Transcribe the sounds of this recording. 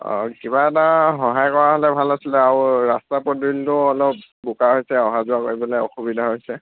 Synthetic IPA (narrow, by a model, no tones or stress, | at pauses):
ɔ̰kibaɛtaɦɔɦajkɔɹaɦɔlɛbʱalasilɛaʊɹastapɔdɹiltʊɔlɔp | bukaɦojsɛɔɦazʊakoɹibɔlɛɔ̰xubidʱaɦojsɛ